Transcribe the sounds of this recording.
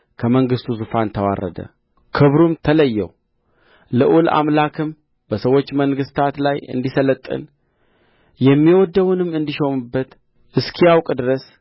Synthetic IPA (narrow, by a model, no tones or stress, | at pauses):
kʰəməŋɡɨst̪ʰuzufant̪ʰəwa̰rːə̰d̪ə̰ | kʰɨβɾumt̪ʰələjːɛ̰w | ləʔula̰mlakʰɨm | b̥əsəwo̞t͡ʃːməŋɡɨst̪ʰat̪lajɨ̰nd̪isələt̪ʼːɨ̰n | jɛmːiwɔd̪əwnɨmːɨnd̪iʃo̞mɨbːət̪ | ʔɨskʰijawkʼd̪ɨɾəs